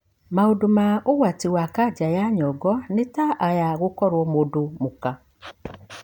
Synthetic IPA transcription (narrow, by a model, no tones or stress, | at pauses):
maodomaoɣwatiwakad͡ʒajaɲɔɡɔnetaajaɣokɔɾwɔmodomoka